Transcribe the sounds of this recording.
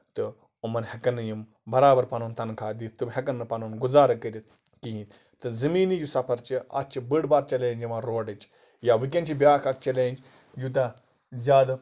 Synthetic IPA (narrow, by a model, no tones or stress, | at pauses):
t̪ɨ | umɐnhʲɐkɐnːɐjim | bɐɾaːbɐɾpɐnont̪ɐnkʰaːd̪it̪ubɦʲɐkɐnːɨpɐnonɡuzaːɾɐkːɐɾit̪ | kiɦin | t̪ɨzɐmiːnijusɐpʰɐɾt͡ʃia̰t̪t͡ʃibɨɖbaːɾt͡ʃɐleːnd͡ʒɐmaːɾoːɖɐt͡ʃ | jaʋik̬ʲɐnt͡ʃʰibʲjaːkʰɐk̚t͡ʃɐleːnd͡ʒ | jut̪̬ɐ | zʲaːd̪ɐ